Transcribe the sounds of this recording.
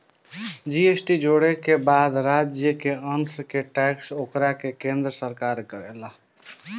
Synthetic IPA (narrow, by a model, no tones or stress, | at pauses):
d͡ʒiesʈid͡ʒoɽekebad̪ɾad͡ʒjəkeənskeʈɛksokɾakekẽnd̪ɾəsəɾkaɾkəɾɛla